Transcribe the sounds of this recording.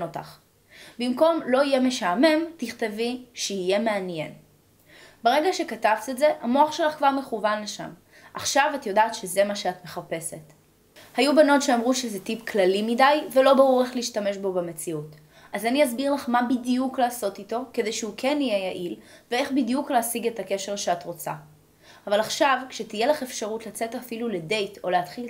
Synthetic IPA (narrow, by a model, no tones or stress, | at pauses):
ota̰χ | bimko̞mlo̞ijeme̞ʃaːme̞mtiχteviʃeije̞meanjen | beʁeɡaʃe̞katavt̪etze̞ʔamo̞aχʃelaχkvaʁme̞χuvanleʃa̰m | ʔaχʃavatjo̞daːtʃeze̞maʃeatme̞χape̞se̞t | hajubano̞tʃeamʁuʃezetipklalimidajvelo̞baʁuʁeχleiʃtame̞ʃbo̞bemet͡siut | ʔazaniazbiʁlaχmabidijuklaːso̞tito̞kede̞jʃeukʰenijejaʔilvee̞χbidijukleasiɡetake̞ʃe̞ʁʃeatʁo̞t͡sa̰ː | valaχʃavkʃetijelaχe̞fʃaʁutlat͡se̞tafilulede̞jto̞leatχil